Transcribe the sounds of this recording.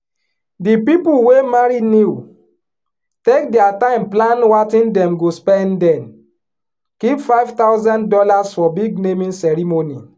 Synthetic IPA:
dipipulwemaɹiniu | tek̚dɛatãɪ̃mplãnwatĩndɛ̃mɡospɛ̃ndɛ̃n | kipfaɪvt̪awzãndɔlasfɔbiɡ̚nemĩnsɛɹimoni

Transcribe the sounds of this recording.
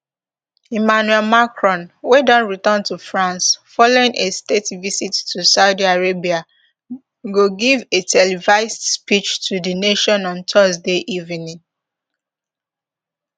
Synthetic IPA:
imanuɛlmakɹɔ̃nwedɔ̃nɹitə̃ntufɹãnsfɔloɪ̃ŋʔestetvisitːusaʊdiaɹebia | ɡoɡivetʰɛlivaɪsspit͡ʃtʰudəneʃɔ̃nɔ̃ntʰɜzdeʔivinĩŋ

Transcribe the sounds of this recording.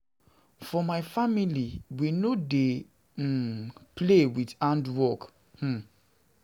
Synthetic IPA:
fɔmaɪfamiliwinode | plewidãndwɔk | h̩

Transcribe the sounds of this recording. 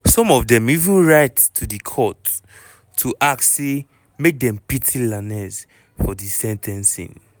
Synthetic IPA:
sɔ̃mɔvdɛ̃mivũnɹaɪtːʰudikʰɔtʰː | uʔakse | mek̚dɛ̃mpitʰilanɛs | fɔdisɛ̃ntʰɛ̃nsḭ̃n

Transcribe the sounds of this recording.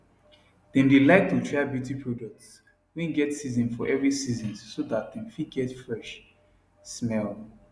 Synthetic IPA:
d̥ɛ̃ndilaɪk̚tutʰɹaɪbjutʰipʰɹɔdɔk̚ts | wɛ̃nɡɛtsizɔ̃nfɔʔɛvɹisizɔ̃nsodat̚d̪ɛ̃nfiɡɛtfɹɛʃ | smɛl

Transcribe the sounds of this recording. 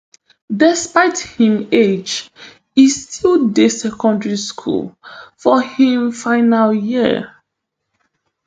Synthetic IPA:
dɪspaɪthĩmed͡ʒ | istʰildesɛkɔ̃ndɹiskʰṵlˠfɔhĩmfaɪnaljiə̰

